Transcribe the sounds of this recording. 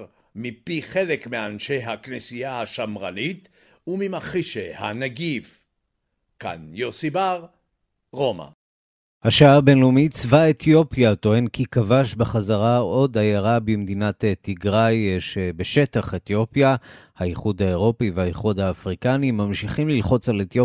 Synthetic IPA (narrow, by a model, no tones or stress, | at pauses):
mipiχelekmeanʃejɦaknesijahaʃamʁanit̪ | umimaχiʃehanaɡif | ka̰njosibaʁ | ʁo̞ma̰ | haʃaaʁbe̞nlumit͡svaet̪jo̞pjat̪o̞he̞nkikavaʃbeχazaʁao̞dajaʁabimd̪inat̪tiɡʁajʃebe̞ʃe̞taχet̪jo̞pjahaiχudhae̞ʁo̞piveaiχod̪haːfʁikanimamʃiχimlilχo̞t͡salet̪jo